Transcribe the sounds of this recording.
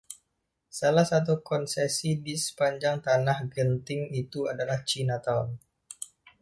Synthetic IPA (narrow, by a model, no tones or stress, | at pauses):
salahsat̪̬ukɔnsesidisə̥paɲd͡ʒaŋt̪anahɡənt̪ɪŋit̪uadalaht͡ʃinat̪aɔn